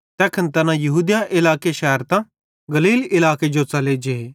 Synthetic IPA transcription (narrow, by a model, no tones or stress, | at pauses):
t̪ɛːkʰənt̪ɐnãjɐɦuːd̪jaʔɪlaːkeʃɛɦəɾt̪ã | ɡɐliːlɪlaːked͡ʒot͡sɐled͡ʒee